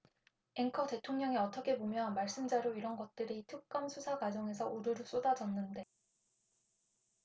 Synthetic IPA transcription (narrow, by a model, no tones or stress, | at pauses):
e̞ŋkʰʌte̞tʰoŋɲʌŋiʌt͈ʌkʰe̞bomjʌnmaɭs͈ɯmd͡ʑaɾoiɾʌnɡʌt̚t͈ɯɾitʰɯk̚k͈amsʰusʰaɡad͡ʑʌŋe̞sʰʌʔuɾɯɾɯs͈odad͡ʑʌnːɯnde̞